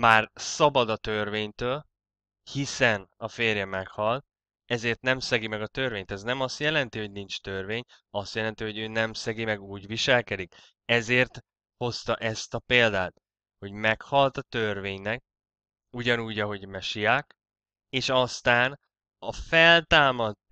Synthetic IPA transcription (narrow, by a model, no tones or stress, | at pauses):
maːrsɒbɒd̪ɒt̪ørveːɲt̪øːl | hisɛnɒfeːrjɒmɛkhɒlt̪̚ | ɛzeːrt̪nɛmsɛɡimɛɡɒt̪ørveːɲt̪ɛznɛmɒst̪jɛlɛn̪t̪iho̞ɟnint͡ʃt̪ørveːɲ | ɒst̪jɛlɛnt̪iho̞ɟøːnɛmsɛɡimɛɡuːɟviʃɛlkɛd̪ik | ɛzeːrt̪ | ho̞st̪ɒʔɛst̪ɒpeːld̪aːt̪ | ho̞ɟmɛkhɒlt̪ɒt̪ørveːɲnɛk̚ | uɟɒnuːɟɒɦo̞ɟmɛʃijaːk | eːʃɒst̪aːn | ɒfɛlt̪aːmɒd̪̚